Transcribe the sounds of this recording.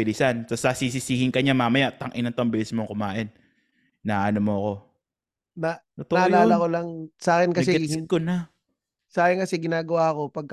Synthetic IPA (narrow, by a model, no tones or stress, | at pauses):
ɪlɪsansɐsɐsisɪsiːhɪŋkɐɲamaːmɐjaʔt̪ːɐŋʔɪnɐŋt̪oŋbɪlɪsmoŋkʊmaːʔɪnː | aːʔːnomoɐko̞ | nɐt̪ot̪oaʔɐlaːɐkolɐŋsaːkɪnkɐɛɪkona | saːkɪnkɐsɛɡɪnaːɡɐwaɐko̞pɐɡ̚k